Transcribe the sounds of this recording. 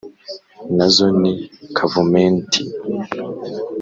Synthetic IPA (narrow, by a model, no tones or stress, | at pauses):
nazonikʰavumentʰi